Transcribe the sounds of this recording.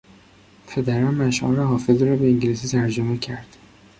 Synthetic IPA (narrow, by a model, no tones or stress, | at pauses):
pʰe̞d̪æɾɒnmæʃʔɒ̰nɾɑɦɒːfezɾɒːbeiŋɟilis̬it̪ʰæɾd͡ʒomecʰæɾd̪̥